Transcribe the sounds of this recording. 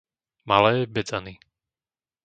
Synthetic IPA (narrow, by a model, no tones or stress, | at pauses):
malɛːbɛd͡zani